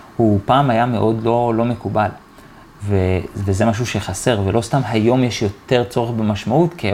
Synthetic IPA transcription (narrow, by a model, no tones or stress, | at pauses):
hupaːmajame̞ʔo̞dlo̞lo̞me̞kubal | vevezemaʃ̬uʃe̞χaseʁvelo̞stamɦajo̞mjeʃjo̞te̞ʁt͡so̞ʁeχbemaʃmautke